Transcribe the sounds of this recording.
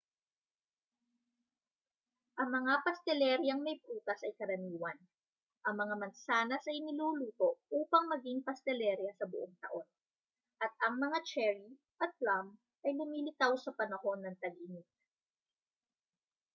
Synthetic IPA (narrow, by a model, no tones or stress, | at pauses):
ʔɐŋmɐŋapɐst̪ɛlɛɾjɐŋmɐjpuːt̪ɐsʔɐjkɐɾɐniːwɐn | ʔɐŋmɐŋamɐnsaːnɐsɐjnɪluːluːt̪o̞ʔuːpɐŋmɐɡiŋpɐst̪ɛlɛɾjɐsɐbʊʔoŋt̪ɐ̰ʔo̞n | ʔɐt̪̚ʔɐŋmɐŋat͡ʃɛɹi | ʔɐt̪̚lam | ʔɐjlʊmiːlɪt̪awsɐpɐnɐho̞nːɐŋt̪ɐɡʔɪnɪt̪̚